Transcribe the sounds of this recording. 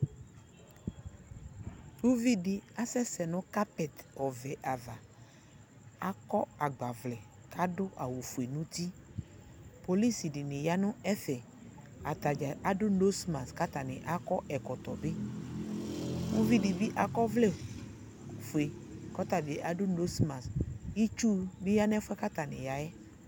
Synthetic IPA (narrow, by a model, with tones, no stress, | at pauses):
wu˦vi˦ɖi˦a˦sɛ˦sɛ˨nʊ̃˦ka˦pɛ˨t̪ɔ˨vɛ˨ʔa˨va˨ | a˦kɔ˦a˨ɡ͡ba˨vlɛ˨ | kʰa˦ɖʊ˦ʔa̰˨wu˨fu˨e˨nũ˦t̪i˦ | po˨li˦si˨ɖi˨nẽ˨ja˦nʊ̃˦ɛ˦fɛ˨ | a˨t̪a˨d͡ʒa˨ʔa˨ɖʊ˦no˦sma˨ska˦t̪a˨nɛ̃˨ʔa˦kɔ˦ʔɛ˨kɔ˨t̪ɔ˨be˦ | wu˦vi˦ɖi˨bi˦ʔa˨kɔ˦vlɛ˦˨ | fu˨e˨kɔ˦t̪a˨bi˨e˨ʔa˨ɖʊ˦no˦sma˨sji˦t͡ʃu˦bi˦ja˦n˦ɛ˦fɛ˦ka˦t̪a˨nɛ̰̃˨ja˨jɛ˦